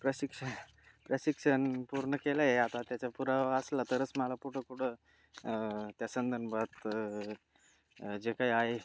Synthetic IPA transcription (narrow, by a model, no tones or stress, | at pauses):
pɾəɕikʂən | pɾəsikʂənpuɾɳəkelajeat̪at̪jat͡ɕapuɾaʋəslat̪əɾət͡sməlapuʈʰəkuʈʰə | t̪jasənd̪ʱənbət̪ | d͡ʑekaiaɦe